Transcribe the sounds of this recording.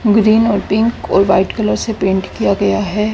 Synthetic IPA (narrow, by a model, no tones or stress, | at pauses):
ɡɾiːnɔːɾpɪ̃ŋkɔːɾʋaːɪʈkɐləɾsepẽːɳʈkijaɡɐjaɦɛː